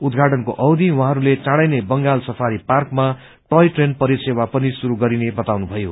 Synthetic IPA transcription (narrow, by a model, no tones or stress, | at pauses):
ud̪ɡʱaʈʌnkoʔʌwd̪iwãɦʌɾulet͡sãɽajnebʌŋɡalsʌpʰaɾiparkma | ʈʌjʈrenpʌɾisewapʌnisuɾuɡʌɾinebʌt̪awnubʱʌjo